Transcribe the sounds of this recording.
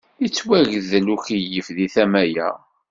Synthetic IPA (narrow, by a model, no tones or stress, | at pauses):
it͡sːwæʝəðəluçijəfðiθæmæjæ̰